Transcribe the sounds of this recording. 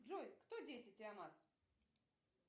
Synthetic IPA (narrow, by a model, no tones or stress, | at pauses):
ʐojkt̪odʲetʲɪtʲɪamat̪